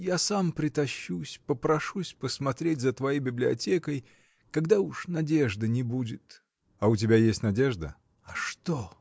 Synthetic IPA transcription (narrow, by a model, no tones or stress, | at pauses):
jasampɾʲɪt̪ɐɕːusʲpəpɾɐʂusʲpəsmɐt̪ɾʲet̚ʲzət̪vɐjejbʲɪblʲɪɐtʲekəj | kɐɡd̪auʂnɐdʲe̞ʐd̪ənʲɪbudʲɪt̪ | ɐʊtʲɪbʲajesʲtʲnɐdʲeʐd̪ə̰ | ɐʂt̪o